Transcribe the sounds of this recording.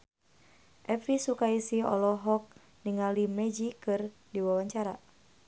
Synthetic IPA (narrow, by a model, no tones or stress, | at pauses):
ʔɛfɾisukaisiɔ̰lɔɦɔk̚ | niŋalimɛd͡ʒikɨrdiwawaɲt͡ʃaɾa̰